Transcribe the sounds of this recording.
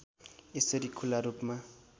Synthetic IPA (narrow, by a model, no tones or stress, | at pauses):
esʌɾikʰulaɾupma